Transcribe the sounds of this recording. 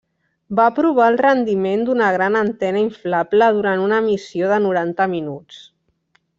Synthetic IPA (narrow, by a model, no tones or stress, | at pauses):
bapɾuβ̞aəlˠrənd̪imend̪unəɣ̞ɾanənt̪ɛnəiɱflapləð̞uɾanunəmisioðənuɾant̪əminut͡s